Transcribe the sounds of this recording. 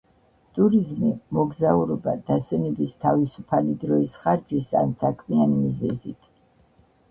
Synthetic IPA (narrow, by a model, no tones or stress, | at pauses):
t̪ʼuɾizmimɔɡzauɾɔbad̪̥aswɛnɛbist̪ʰavisupʰalid̪ɾɔisχaɾd͡ʒisa̰nsakʰmianimizɛ̰zit̪ʰ